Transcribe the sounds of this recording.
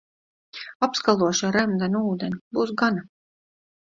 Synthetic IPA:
apskalˠuɔʃaɾɛmd̪anuːd̪enʲibuːs̬ɡana

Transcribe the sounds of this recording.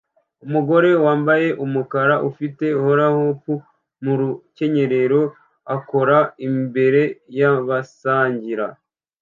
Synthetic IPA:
umuɡo̞ɾe̞waːmbaje̞ʔumukaɾaʔufite̞uhoɾahopu | muɾuce̞ɲe̞ɾe̞ɾo̞ | ako̞ɾaimbe̞ɾe̞jaβasaːɲɟiɾa̰

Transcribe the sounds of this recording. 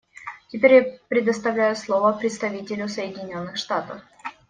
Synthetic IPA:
tʲɪpʲeɾʲjapɾʲɪd̪əst̪ɐvlʲæjʊslˠo̞vəpɾʲɪt̪st̪ɐvʲitʲɪlʲʊsəjɪdʲɪnʲo̞nːɨxʂt̪at̪əf

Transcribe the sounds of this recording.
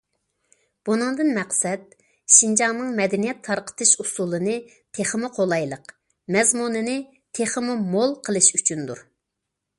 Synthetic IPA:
b̥unɨŋd̪ɨnmæqsɛd̪̚ | ʃind͡ʒɑŋnɨŋmɛd̪ɛnijɛt̪ʰːɑɾqʰə̥t̪ʰɨʃusulˠɨnɨ | t̪ʰeχəmɨqʰolˠɑjlˠəq | mɛzmunɨnɨ | t̪ʰeχəmɨmolˠqʰəlˠɨʃyt͡ʃʰynd̪uɾ

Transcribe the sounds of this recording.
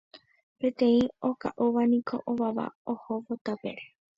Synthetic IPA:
pe̞t̪ẽ̞ĩoka̰ʔuʋanĩkʰo̞̰ʔoʋaʋa̰ohoʋot̪apeɾe

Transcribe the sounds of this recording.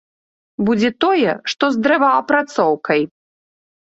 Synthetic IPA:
bud͡zʲɛt̪ɔjɛʂt̪ɔzd̪ɾɛvaɐpɾat̪sɔwkɐj

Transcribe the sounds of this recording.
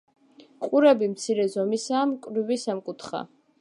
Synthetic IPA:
qʼuɾɛbimt̪sʰiɾɛzɔmisaːmkʼɾivisamkʼut̪ʰχa̰

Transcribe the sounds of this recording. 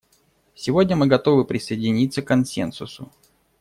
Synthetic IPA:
sʲɪvodʲnʲəmɨɡɐt̪o̞vɨpɾʲɪsəjɪdʲɪnʲit̪sːəkːɐnsʲḛnsʊsʊ

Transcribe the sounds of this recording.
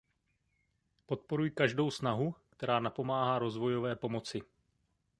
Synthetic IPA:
po̞t̪̚po̞ɾujɪkaʒdo̞wsnaɦukt̪ɛɾaːnapo̞maːɦaːɾo̞zvo̞jo̞vɛːpo̞mo̞t͡sɪ

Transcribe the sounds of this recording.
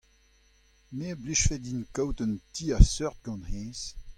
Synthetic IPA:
mebliʃfɛdinkawt̪əntʰiːasœʁt̪̚ɡɑ̃nhɛ̃ːs

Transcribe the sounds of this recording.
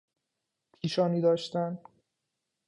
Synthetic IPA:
pʰiːʃɒːniːd̪ɒːʃt̪æn

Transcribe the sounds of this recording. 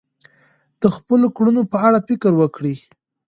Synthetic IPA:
d̪̥əxpəlokɽunopəaɽafɪkəɾwəkɽi

